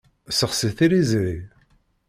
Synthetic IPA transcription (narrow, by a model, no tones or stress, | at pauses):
səχsəθiɾizɾi